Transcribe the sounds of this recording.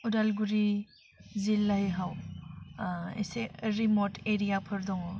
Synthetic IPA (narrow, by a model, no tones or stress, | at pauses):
uɾalɡuɾi | zilːaɦiɦaw | ḛseɾimotʰeɾijapʰɯɾdɔŋɔ